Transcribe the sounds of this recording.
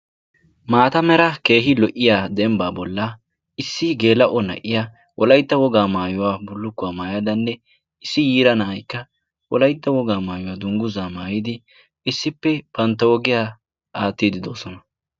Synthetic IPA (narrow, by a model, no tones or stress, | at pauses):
maːt̪ɐmɛɾɐke̞ːɦɪlɔʔɪjaːd̪ɛmbaːbɔlːa | ɪsːɪɡe̞ːlɐʔɔnɐ̰ʔɪja | wʔɔlɐjt̪ːɐwɔɡaːmaːjʊwaːbʊlːʊkːʊwaːmaːjɐd̪ɐnːɛ | ɪsːɪjiːɾɐnɐʔɐjkːɐ | wɔ̰lɐjt̪ːɐwɔɡaːmaːjʊwaːd̪ʊŋɡʊzaːmaːjɪd̪ɪ | ɪsːɪpːɛb̥ɐnt̪ːɐwɔɡɪjaː | aːt̪ːid̪ɪd̪o̞ːsɔnɐ